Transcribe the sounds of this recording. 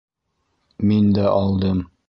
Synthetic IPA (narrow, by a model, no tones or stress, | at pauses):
mind̪æʔɒlˠd̪ɤm